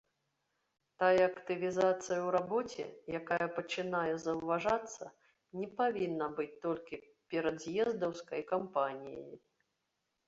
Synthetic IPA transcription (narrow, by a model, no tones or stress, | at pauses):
t̪ajɐːkt̪ɨvʲizat̪sɨjɐwɾabɔt͡sʲɛ̰jakajɐpɐt͡ʂɨnajɛzɐwvaʐat̪sːɐ̰ | nʲɛpavʲinːɐbɨt͡sʲt̪ɔlʲkʲi | pʲɛɾɐd̪jɛzd̪ɐwskɐjkampanʲḭjɐ̰ji